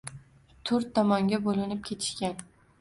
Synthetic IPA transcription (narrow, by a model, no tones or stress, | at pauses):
t̪ʰɵʊɾt̪ʰːɒmɒŋɡʲabolɪnɪp̚kʲʰe̞t̪ʰɪ̥ʃkʲan